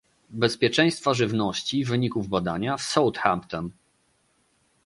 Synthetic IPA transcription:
bɛspʲjɛt͡ʂɛ̃j̃st̪faʐɘvnɔɕt͡ɕivɘɲikuvbad̪aɲafsɔwt̪xa̰mpt̪ɔn

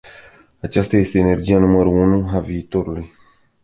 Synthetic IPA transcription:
at͡ʃast̪aje̞st̪e̞ːne̞rd͡ʒijanuməɾuunuaviːt̪o̞ɾuluj

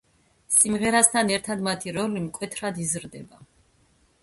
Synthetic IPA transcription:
simʁɛɾast̪ʰanɛɾt̪ʰad̪mat̪ʰiɾɔlimkʼwɛt̪ʰɾad̪izɾd̪ɛba

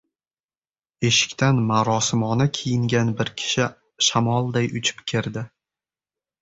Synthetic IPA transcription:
e̞ʃɪ̥kʲt̪anmaɾɒsɪmɒnakʲʰijɪŋɡʲanbɪɾkʲʰɪ̥ʃɪ | ʃamɒlˠd̪ajʊt͡ʃʰɪ̥pkʲʰeɾd̪ɪ

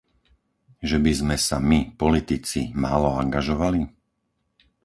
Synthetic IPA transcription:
ʒɛbizmɛsamipɔlit̪it͡simaːlɔaŋɡaʒɔʋali

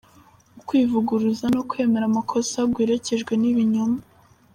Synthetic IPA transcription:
ukwiːvuɡuɾuzano̞kwe̞me̞ɾamukʰo̞saɡɡwiːɾe̞ce̞ʒɡwe̞niβiɲuma

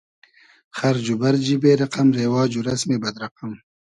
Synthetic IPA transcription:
xɐɾd͡ʒubɐɾd͡ʒibeːɾɐqɐmɾeːwɑːd͡ʒuɾɐsmebɐd̪ɾɐqam

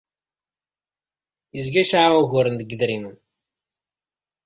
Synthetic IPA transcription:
jəzɡæʃʕauɣʊɾənðəɡðɾimən

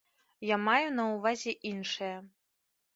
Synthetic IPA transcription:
jamajunɐwvazʲɛʔinʂɨjɐ

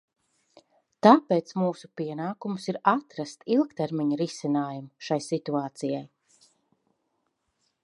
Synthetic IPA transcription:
t̪aːpeːt̪smuːsupiɛnaːkumusiɾat̪ɾast̪ilˠkt̪eɾmiɲɐɾisinaːjumuʃajsit̪uaːt̪sijaj

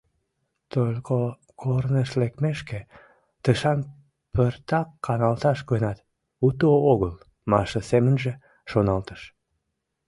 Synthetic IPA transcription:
t̪olʲko | koɾnəʃlekmeʃke | t̪əʃɑn | pərt̪ɑkʰːɑnɑlt̪ɑʃkønɑt̪ | ut̪ooɣəl | mɑʃəsemənʒe | ʃonɑlt̪ə̥ʃ

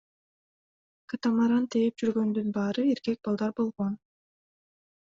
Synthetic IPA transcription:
kɯt̪ɑmɑɾɑnt̪ʰejep̚d͡ʒyɾɡø̞nd̪ynbɑːɾɯe̞ɾkek̚bɑlˠd̪ɑɾbo̞lˠʁo̞n

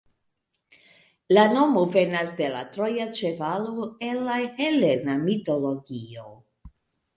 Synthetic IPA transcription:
lano̞move̞nasde̞la̰tɾo̞jat͡ʃe̞valoenlːahelenamito̞lo̞ɡio

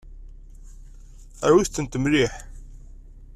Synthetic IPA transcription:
æɾwist̪ːənt̪əmliħ

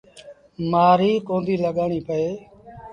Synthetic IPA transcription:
maːɾiːkõːnd̪ʱiːləɠaːɳiːpəeː

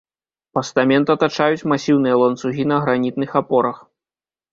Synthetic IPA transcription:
pɐst̪amʲɛnt̪ɐt̪at͡ʂajut͡sʲmasʲiwnɨjɐlˠɐnt̪suɣʲinɐɣɾanʲit̪nɨxapɔɾɐx

